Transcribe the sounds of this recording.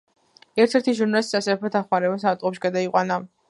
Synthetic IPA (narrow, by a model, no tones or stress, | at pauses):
ɛɾt̪ʰɛɾt̪ʰiʒuɾnalisisasɛpʰɾɛt̪ʰaχwaɾɛbas̬at̪ʼqʼɔpʃi̥ɡad̪aiqʼwana